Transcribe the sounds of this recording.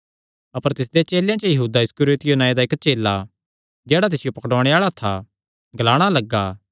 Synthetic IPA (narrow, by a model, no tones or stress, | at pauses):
ɐpəɾt̪ɪs̬d̪et͡ʃeːljãt͡ʃəjɐɦuːd̪aɪskʊɾoːt̪ɪjonãːjed̪aɪkt͡ʃeːlːa | d͡ʒɛːɽat̪̬ɪsɪjopɐkɽɔːɽ̃eaːɭat̪ʰa | ɡɐlaːɽ̃alɐɡːaː